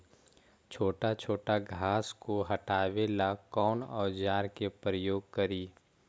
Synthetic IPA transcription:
t͡ʃʰoːʈat͡ʃʰoːʈaɡʱaːskoɦɐʈaːʋelakɔːnɔːd͡ʒaːɾkepɾəjoːɡ̚kəɾiː

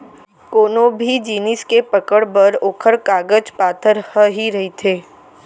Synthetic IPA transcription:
koːnõbʱid͡ʒiːnɪskepəkəɽbəɾoːkʰəɾkaːɡəd͡ʒpaːt̪ʰəɾhəɦiɾɐɦit̪ʰeː

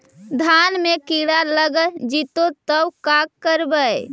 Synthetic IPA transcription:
d̪ʱanmekiɽaləɡəd͡ʒit̪ot̪əwkakːəɾbəj

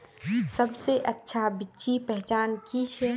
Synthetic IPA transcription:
sɐbseʔɐtːʃʰabɪt͡ʃipɛɦt͡ʃaːnkit͡ʃʰɛ

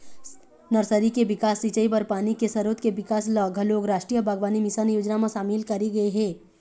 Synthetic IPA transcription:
nɐɾsəɾikeʋɪkaːsːit͡ʃəibɐɾpaːnikesɐɾoːt̪keʋɪkaːslɐːɡʱəloːɡɾaːʃʈɾijəbʱaɡʋaːnimɪsanjoːd͡ʒnamãʃaːmɪlkɐɾiɡɐeɦɛ̃ː

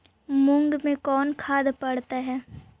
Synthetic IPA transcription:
mʊ̃ŋɡmẽkɔːnkʰaːd̪pɐɽt̪aɦɛː

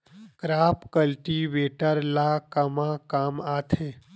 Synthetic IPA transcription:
kɾaːpkəlʈiʋeːʈəɾlaːkəmãkaːmaːt̪ʰeː

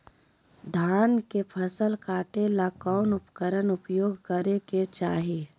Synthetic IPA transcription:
d̪ʱaːnkepʰəsəlkaːʈelakɔːnʊpkəɾənʊpjoːɡʱkəɾeket͡ʃaːɦie

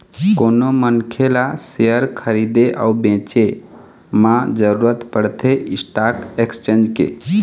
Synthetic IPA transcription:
konomənkʰelasejəɾkʰəɾid̪eʔa̰ubẽt͡ʃe | mãd͡ʒəɾuɾət̪pəɽt̪ʰeisʈakekst͡ʃẽnd͡ʒkḛ

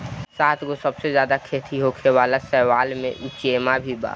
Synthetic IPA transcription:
saːt̪ʰɡosəbsezjaːd̪akʰeːt̪ʰiɦokʰewaːlasɛːʋaːlmḛ̃ʔʊt͡ʃeːmabʱiba̰ː

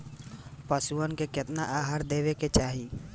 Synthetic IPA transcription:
pəsuənkekɪt̪naʔaːɦaːɾd̪eːweket͡ʃaːɦi

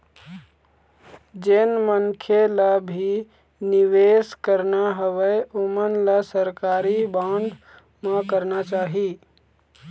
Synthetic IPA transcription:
d͡ʒeːnmənkʰelabʱi | nɪʋeːskəɾnaɦəʋəeomənləsəɾkaːɾibãːɳɖ | mãkəɾnat͡ʃaːɦi

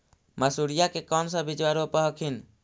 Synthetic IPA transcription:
masuɾijakekɔnsabit͡ʃwaɾopəɦɔkʰin

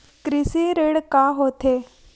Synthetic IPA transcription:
kɾisiɾeɽkaɦot̪e

